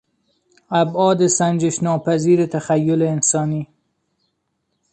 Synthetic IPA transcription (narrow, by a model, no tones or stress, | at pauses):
æbɒːd̪esænd͡ʒeʃnɒːpʰæziːɾet̪ʰæxæjːoleːnsɒːniː